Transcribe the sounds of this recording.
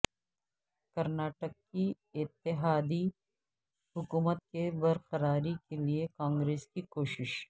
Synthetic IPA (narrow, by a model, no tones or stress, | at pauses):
kɐɾnaːʈəkːi | ɪt̪ːɪɦaːd̪i | ɦʊkuːmət̪̚kebɐɾqəɾaːɾikeliekãːŋɡɾeːskikoːʃɪʃ